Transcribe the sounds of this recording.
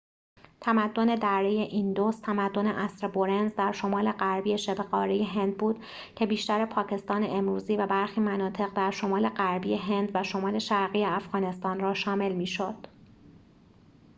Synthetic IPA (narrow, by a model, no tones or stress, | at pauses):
t̪ʰæmæd̪ːo̞ne̞d̪æɾːeje̞ʔind̪ost̪ʰæmæd̪ːo̞ne̞ʔæsɾebo̞ɾenzd̪æɾʃo̞mɒːle̞ɢæɾbiːje̞ʃebeɣɒːɾeje̞ɦe̞nd̪̚buːd̪̥ | cʰe̞biːʃt̪æɾe̞pʰɒːcʰe̞st̪ɒːne̞ʔemɾuːziːvæbæɾxiːmænɒːt̪ʰe̞ɣd̪æɾʃo̞mɒːle̞ɢæɾbiːje̞ɦe̞nd̪væʃo̞mɒːle̞ʃæɾɣiːjeæfɣ̥ɒːne̞st̪ɒːnrɒːʃɒːme̞lmiːʃo̞d̪̥